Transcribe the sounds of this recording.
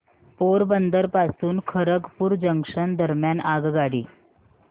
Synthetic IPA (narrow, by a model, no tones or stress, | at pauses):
poɾbənd̪əɾpasuːnkʰəɾəɡpuːɾd͡ʑəŋkʂənd̪əɾmjanaɡɡaɽiː